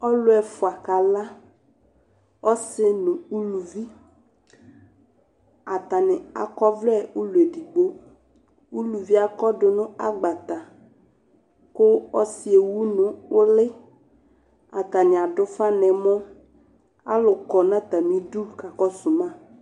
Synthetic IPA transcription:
ɔ˦lʊ˦ɛ˨fʊ˨a˨ka˨la˦ | ɔ˦sɪ˦nʊ̃˨u˦lu˨vi˦ | a˨t̪a˨nɪ˨a̰˨kɔ˦vlɛ˦u˦lu˨e˨di˨ɡ͡bo˦ | u˦lu˨vi˦a˨kɔ˦dʊ˨nʊ̃˦a˦ɡ͡ba˨t̪a˨ | kʊ˦ɔ˦si˦e˨wu˦nʊ̃˨ʊ˦lɪ˦ | a˨t̪a˨nɪ̃˨a˨ɖʊ˦fa˦nɛ̃˨mɔ̃˦ | a̰˦lʊ˨kɔ˨nã˦t̪a˨mĩ˨du˦ka˨kɔ˦sʊ˨mã˦˨

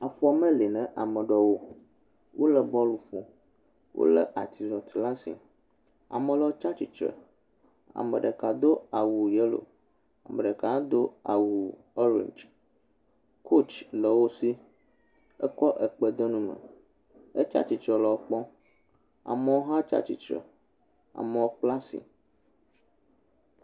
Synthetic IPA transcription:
a˨fɔ˦mə̃˦li˨nɛ̃˨ʔa˨mə˨ɖɔ˨wo˦ | wʔo˦lə˨bɔ˦lu˨fũ˨ | wʔo̰˦lə̰˦ʔa˨t̪i˨zɔ˨t̪la˦sḭ˨ | a̰˨mə̃˨lɛ˨˦o˦t͡ʃa˦t͡ʃi˨t͡ʃɾɛ̰˨ | a̰˨mə̰̃˨ɖə˨ka˨d̪o˦a˨wu˨je˦lo̰˨ | a̰˨mə̃˨ɖə˨ka˨˦d̪o˦a˨wu˨ | ɔ˦ɾḛ̃˨ɲd͡ʒ | kʰo˦t͡ʃlə˨wo˦si˦ | ə̰˦kɔ˦ʔə˨k͡pə˦d̪o˦nũ˦mə̰̃˨ | ə˦t͡ʃa̰˦t͡ʃi˨t͡ʃɾɛ˨lɔ˨o˦k͡pɔ̃˦ | a̰˨mə˨wo˦ɦã˦t͡ʃa̰˦t͡ʃḭ˨t͡ʃɾə̰˨ | a̰˨mə˨wo˦k͡pla˦sḭ˨

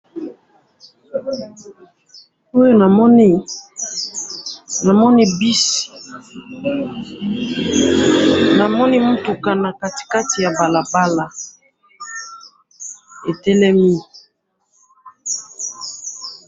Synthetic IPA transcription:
o˦jo˦na˨mɔ˦ni˦ | na˨mɔ˦ni˦bi˦si̥˨ | na˨mɔ˦ni˦mu˦tu˨ka˨na˨ka˨ti̥˨ka˦ti˨ja˨ba˨la˨ba˦la˨ | e˨tɛ˦lɛ˦mi˦

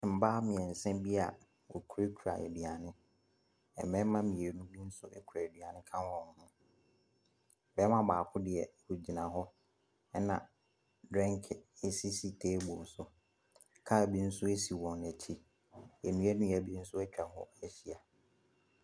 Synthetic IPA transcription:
m̩˨baː˦mɪ̃˨ɛ̃˨n̩˨sɛ̃˦mbi˦a˨ | o˨kʰu˦ɾi˦kʰu˨ɾa̰˨ʔɛ̰˨dɥa˨nɪ̃˦ | ɛ̰˨mɛ̃˦mã˦mĩ˨e˨nũ˦bi˦n̩˦sʊ˦ɛ˦kʰu˨ɾa˨e˨dɥa˨nɪ̃˦kʰã˦n˦wɔ̃˨n˨˦hʊ̃˦ | bɛ˦mã˦baː˨kʰʊ̃˦dɪ˨ɛ˨hu˨d͡ʑi˨nã˨ɦɔ˦ | ɛ˦nã̰˨ | dɾɛ̃˦ŋkʰɪ˨e˨si˦si˨tʰeː˦bõ˨n˨sʊ˨ | kʰa˦˨bi˦n̩˦sʊ˦e˦si˨wɔ̃˨næ˨t͡ɕʰi˦ | e˨nũ˦æ˦nũ˦æ˨bi˦n̩˦sʊ˦ɛ˦t͡ɕᶣa˨hɔ̰˦ɛ˨ɕi˦˨a˨

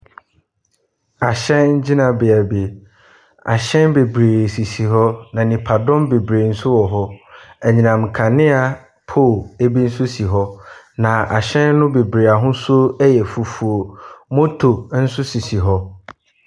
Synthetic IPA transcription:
a˨ɕɛ̃˦nɲ̩˦d͡ʑi˦nã˨bɪ˨a˨be˨ | a̰˨ɕɛ̃˦nbe˨bɾeː˨si˨si˨ɦɔ˦nã˨nĩ˨pʰa˨dɔ̃˦mbe˨bɾe˨n̩˦sʊ˦wɔ˨ɦɔ˦ɛ˨ɲĩ˨nã˨m̩˨kʰã˨nɪ̃˦a˨ | pʰo˦˨e˦bi˦n̩˦sʊ˦si˨ɦɔ˦ | nã˨a˨ɕɛ̃˦nːʊ̃˦be˨bɾe˨a˨ɦʊ̃˦sʊ˦ɛ˦jɛ˨fu˨fu˨o˨mõ˦tʰo˨˦n̩˦sʊ˦si˨si˨ɦɔ˦

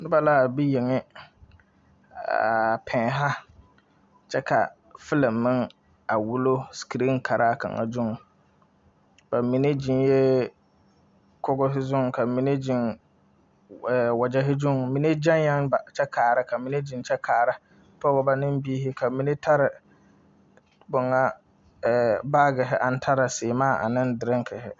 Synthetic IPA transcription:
nɪ˦ba˨la˦˨bi˦je˨ŋɪ˦ | a̰˨pʰɛ̃ː˨ɦa˦ | t͡ʃɛ˦kʰa̰˨ | fɪ˦la˨mːɪ˦ŋ | a˨wu˦lo˦ski˨ɾi˦ŋ˦kʰa˨ɾʔa˦˨ka̰˨ŋa̰˨d͡ʒʊ˦ŋ˨ | ba˨mi˨ne˦d͡ʒi˨njɛ˦ | kɔ˦ɡɔ˦sɪ˦zʊ˦ŋ˨ka˨mi˨ne˦d͡ʒi˨ŋ | ɛ˨wa˨d͡ʒɛ˦ɦɪ˦d͡ʒu˦ŋ˨mi˨ne˦d͡ʒa˦ŋja˦ŋba˨t͡ʃɛ˦kʰaː˨ɾɪ˦kʰa˨mi˨ne˦d͡ʒi˨nt͡ʃɛ˦kʰaː˨ɾa˦ | pɔ˦ɣɔ˦ba˦nɪ˦mbiː˦hɪ˦kʰa˨mi˨ne˦tʰa˦ɾɪ˨ | bʊ˨ŋa˦ | ɛ˨baː˦ɡɪ˨ɦɪ˦ʔa˨n˦tʰa˦ɾa˨sɪː˨maː˦˨ʔa̰˨nɪ˦ndɪ˨ɾɪ˦ŋ˦kʰɪ˨hɪ˦

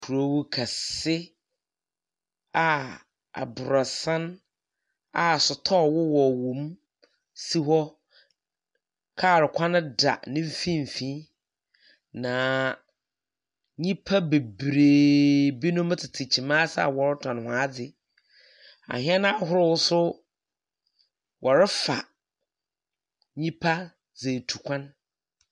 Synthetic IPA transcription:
kʰu˨ɾo˨˦wʊ˦kʰa˨sɪ˦ | a˨ | a̰˨bʊ˨ɾɔ˨sã˦n | a˨sʊ˨tʰɔ˦˨wʊ˦wɔ˨wõ˨m | si˦ɦɔ˦ | kʰa˦˨ɾɪ˨kʷʰã˦nɪ̃˦da̰˨nɪ̃˦m̩˦fĩ˦m˨fĩ˦ | nã˨ | ɲĩ˦pʰa˦be˨bɾeː˨bi˦nʊ̃˦m˦tʰɪ˨tʰɪ˨t͡ɕʰi˨mã˦sa̰˦˨wɔ˨ɾɪ˦tʰɔ̃˨n˨hʊ̃˨a˦d͡zɪ˨ | a̰˨hɪ̃˦ɛ˦nã˦ɦʊ˦ɾɪ˦wʊ˦sʊ˦ | wʔɔ˨ɾɪ˦fa̰˨ | ɲĩ˦pʰa˦ | ze˨tʰu˨kʷʰã˦n

